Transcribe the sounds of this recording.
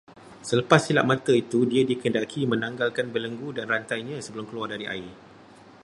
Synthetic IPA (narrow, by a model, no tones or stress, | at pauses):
sələpasːila̰ʔmãt̪ait̪udiadikəndakʰimə̃nãŋɡalkanbələŋɡudanrant̪ajɲãsəbəlʊmkəluardaɾiʔa̰ɪ